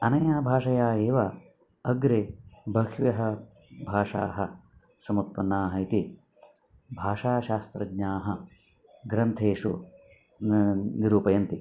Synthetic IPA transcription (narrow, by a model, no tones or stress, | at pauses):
ɐnɐjaːbʱaːʂɐjaːeːʋa | ɐɡɾebʱɐkʋjɐɦɐ | bʱaːʂa̰ːɦɐ | sɐmut̪̚pɐnːaːɦɐit̪i | bʱaːʂaːʃaːst̪ɾɐɡɲaːɦɐ | ɡɾɐnt̪ʰeːʂṵ | niɾuːpɐjɐnt̪i